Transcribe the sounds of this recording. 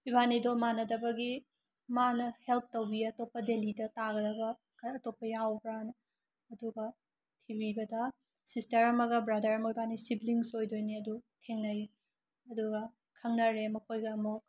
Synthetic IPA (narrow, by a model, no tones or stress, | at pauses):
ibʱanidomanɐdɐbɐɡi | manɐhelp̚ʰtowbiɐtopːɐdelidɐtaɡɐdɐbɐ | kɐːtopːɐjawbɾan | ɐduɡɐ | tʰibibɐdɐ | sistɐɾɐmɐɡɐbɾɐdɐɾɐmɐibʱanisibliŋsojdojniɐdutʰeŋnɐj | ɐduɡɐ | kʰɐŋnɐɾemɐkʰojɡɐːmok̚